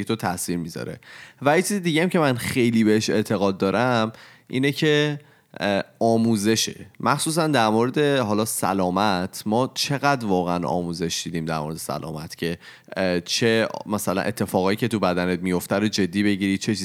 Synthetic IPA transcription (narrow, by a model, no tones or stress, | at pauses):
et̪ʰot̪ʰæsiːɾmizɒ̰ɾḛvæjet͡ʃʰized̪iɟejæmcʰe̞mænxe̞jliːbe̞heʃe̞̰ʔt̪ʰe̞ɣɒːd̪̚ːɒːɾʔæmʔḭːnecʰe̞ | ɒːmuːze̞ʃḛmʔæxsuːs̬ænd̪æɾmoɾe̞d̪e̞ɦɒlɒːsæ̰lɒːmæt̪ʰmɒːt͡ʃʰe̞ɣæd̪ɾvɒːɣeæ̰nɒ̰ːmuːze̞ʃd̪̥iːd̪iːmd̪æɾmo̞ɾe̞d̪esæ̰lɒ̰ːmæ̰t̪ʰcʰe̞ | t͡ʃʰemæsælæ̰nʔe̞̰t̪ʰːe̞fɒːɣɒːjiːcʰe̞t̪ubæd̪ænet̪̚mijo̞ft̪æɾod͡ʒe̞d̪ːiːbe̞ɟiɾiːd̪̚t͡ʃʰe̞t͡ʃʰi